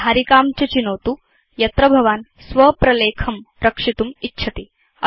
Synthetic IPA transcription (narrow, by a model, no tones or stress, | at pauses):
aɾikaːmt͡ʃɐt͡ʃinoːt̪u | jɐt̪ɾɐbʱɐʋaːn | sʋɐpɾɐleːkʰɐm | ɾɐkʂit̪umitːt͡ʃʰɐt̪i | ɐ